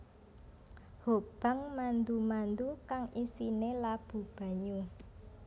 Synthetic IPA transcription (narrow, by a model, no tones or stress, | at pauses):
hob̥a̤ŋmand̪umand̪ukaŋisinelab̥ṳb̥a̤ɲu